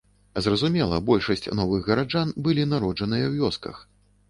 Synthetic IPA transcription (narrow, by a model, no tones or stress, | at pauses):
zrɐzumʲɛlˠɐ̰bɔlʲʂɐsʲt͡sʲnɔvɨɣːɐɾad͡ʐanbɨlʲinaɾɔd͡ʐɐnɨjɐwjʲɔskɐ̰x